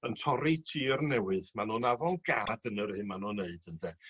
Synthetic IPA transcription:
əntʰɔɾitʰiːərnɛwɨðmanonavɔlɡaːdənərhɨnmanoneɨd̥əndɛ

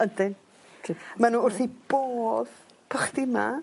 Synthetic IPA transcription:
əndɪn | kʰmanuːʊrθib̥oːð | pʰəχdɪma̰

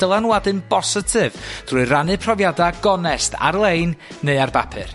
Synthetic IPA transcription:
d̥əlˠanwadɨnbɔsɨtʰɨvd̥rʊɨranɨpʰrɔvjadaɡɔnɛstʰa̰rlˠeɨnːeɨarba̰pʰɨ̰r

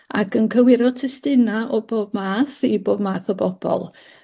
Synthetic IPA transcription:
a̰kʰənkʰəwɪɾɔtʰɛstɪnaʔɔboːb̚maːθiboːb̚maːθɔbɔb̥ɔ̰lˠ

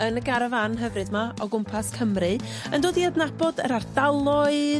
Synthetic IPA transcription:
ənəɡaɾəvanɦəvrɨðmaɔɡʊmpʰaskʰəmrɨ | əndoːdiadnabɔdəɾardalˠɔɨ

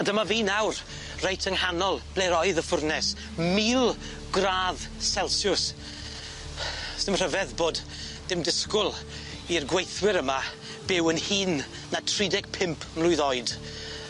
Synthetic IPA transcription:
adəmaviːnawr | rejtʰəŋhanɔlˠb̥leɾɔɨðəfʊrnɛs | miːlˠ | ɡraːð | sɛlˠsjʊs | sd̥ɪmr̥əvɛðboːd | dɪmdɪskʊlˠ | irɡwejθwɪɾəma | b̥ɪwənhiːnː | atʰridɛɡ̥̚pʰɪmpʰmlʊɨðɔɨd̥

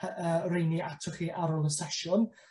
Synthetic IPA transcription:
əːrejniʔatʰʊχiʔaɾɔlˠəsɛʃɔn

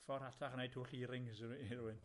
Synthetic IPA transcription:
fɔɾatʰaχənejtʰuːɬiːɾɪŋsiruːɪn

